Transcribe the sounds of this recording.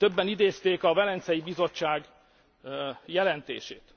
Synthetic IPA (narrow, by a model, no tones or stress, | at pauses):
t̪øbːɛnid̪eːst̪eːkɒvɛlɛnt̪sɛjibizo̞t͡ʃːaːɡ | jɛlɛnt̪ḛːʃḛːt̪